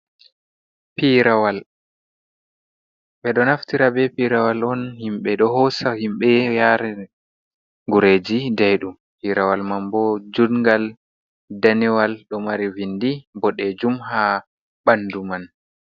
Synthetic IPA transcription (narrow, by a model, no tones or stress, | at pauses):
piɾawal | ɓɛɗɔnaftiɾabɛpiɾawalɔnhimɓɛɗɔɦɔsahimɓɛjaɾɛ | ŋɡuɾeːd͡ʒidajɗum | piɾawalmambɔd͡ʒudŋɡal | daniwalɗɔmaɾivindibɔɗɛd͡ʒumha | ɓanduman